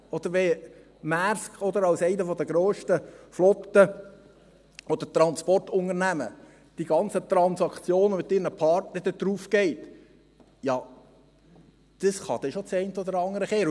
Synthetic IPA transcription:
ɔd̪əɾʋɛ | mæɾskɔd̪əɾɑwsɛɪnəfɔd̪əɡ̥ɾoːʃtəflɔkt̪ə | ɔd̪ət̪ɾɑnspɔrtʊŋəɾnæmə | d̥iɡɑnt͡sət̪ɾɑnsɑkt͡sjoːnəmɪt̪̚ːɪːrnəpʰɑɾtnəd̥̪əd̪̥ɾuːfkɛɪt | jɑ | d̪̥əsχɑd̪ɛʃot͡sɛɪntəɔd̪əɾɑŋːəɾəχeːɾ

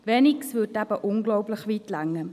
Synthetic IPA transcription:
veniksvʏtæb̥əʔʊŋɡlɔʊpləχviːtlaŋːə

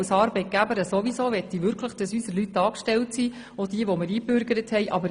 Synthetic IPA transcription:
sɑɾbɛɪt̚ɡ̥æbəɾəsoʋisoːʋɛt̪ːiʋʏɾkʰləχd̥ɑsysəlytdɑːkʃtɛltsi | od̥iəʋɔmɪɾiːbøɾɡ̥əɾəthɛjʔɑbəɾ

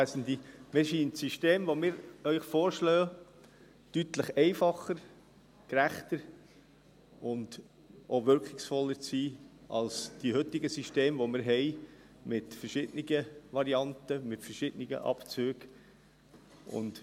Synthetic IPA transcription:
sn̩d̪imɪsiːntsiʃteːmʋomɪːɾœʏχfoːɾʃlœː | tytləχɛɪfɑχəɾ | kɾæχt̪əɾ | ʊnd | ʔoʋʏɾkχɪksfɔlːəɾt͡siːɑ̰lsd̥ihʏtːɪɡəsiʃteːmʋomɪːɾɦɛɪ | mɪtfəɾʃɪd̥nɪɡəʋɑɾiɑntəmɪtfəɾʃɪd̥nɪɡə̰ʔɑ̰pt͡søːɡ | ʔʊ̰nt

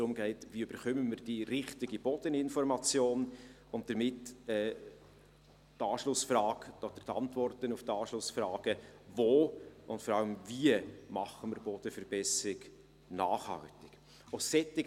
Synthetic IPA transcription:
d̪ɾʊmɡɛɪtviːʏb̥əɾχʏmənmɪɾd̥iɾɪχtɪɡib̥ɔd̥ənɪnfɔɾmɑt͡sjoːn | ʊnt̚d̥əɾmɪtɛː | tɑːʃlʊsfrɑːɡ̥ɔd̥̪əɾt̪ɑ̰ntvɔrtənuftɑːʃlʊsfrɑːɡ̥əvoːʔʊntfɔɾɑləmviəmɑ̰χəmɪɾb̥ɔd̥əfəɾbɛsɾɪɡ̥ | na̰ːχhɑ̰ltɪɡ̥ | osɛtːɪ

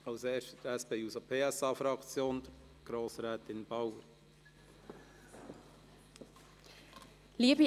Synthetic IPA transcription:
ɑʊseːʃtət̪æspeːuːsəpʰeːæsɑːfɾɑkt͡sjoːnd̥̪ə | ɡ̥ɾoːsɾɛːt̪ɪnb̥ɑwəɾ | liəbi

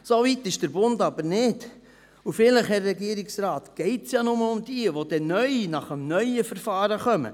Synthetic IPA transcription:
sovit̪ɪʃd̥əɾbʊndɑbəɾnɪd̥ | ufɪləχhɛrrɛɡiəɾɪksrɑːt̪ɡ̥ɛɪtsjɑːnʊməʊmd̥iəʋod̥̪ɛnœʏinɑχəmnœʏəfəɾfɑːɾəχœmə̰

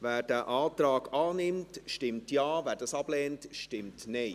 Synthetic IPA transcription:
vɛːɾd̥æːʔaːtɾɑːɡaːnɪmtʃtɪmtjaːvæːɾdɑːsɑb̥lɛːntʃtɪmtne

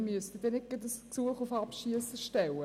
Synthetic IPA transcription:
myəstədɛnɪt̚ɡ̥ətdəsksuəχʊfapʃiəsəʃtɛwə

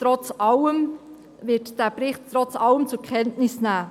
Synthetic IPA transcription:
tɾɔt͡sɑləm | vɪtd̥æːpɾɪχttɾɔt͡sɑləmt͡sʊkʰχɛntnɪsnæː

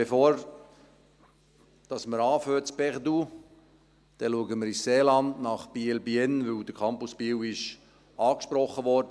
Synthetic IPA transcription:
b̥efoːɾ | d̥ɑsməɾɑːføːtsb̥ɛʁd̪u | d̥ɛluəɡəməɾisseːlɑndnɑχb̥iːlbiɛnʋɵwd̥̪əkʰɑmpʊspiːwɪʃ | ɑːkʃpɾɔχːəʋɔɾdə

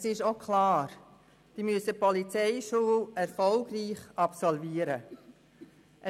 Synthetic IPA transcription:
sɪʃokʰlɑːɾ | d̥imyəsəpɔlit͡sɛɪʃuːlɛɾfɔlɡriːχɑpsɔlviːəɾə | ʔə

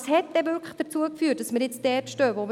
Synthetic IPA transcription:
shɛt̚ːdɛvʏɾkʰləχd̥əɾt͡suəkfyːt̚d̥ɑsməɾjɪt͡sd̥ɛːpʃtøːʋom

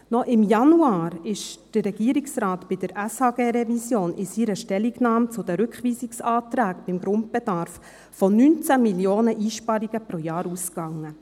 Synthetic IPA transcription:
nɔʔɪmjɑnuɑːɾɪʃd̥ərːɛɡ̥iəɾiksɾɑːtb̥ɪd̥əɾʔæshɑːɡeːɾɛvisjoːnʔɪsiɾəʃtɛliɡnɑːmt͡sʊd̥̪əɾʏkχʋiːsiksɑːtɾæːɡb̥ɪmɡɾʊnt̚b̥ɛd̥ɑɾf | fɔnynt͡sæmiljoːnəʔiːʃpɑɾiɡəpɾojɑːɾuskɑŋːə

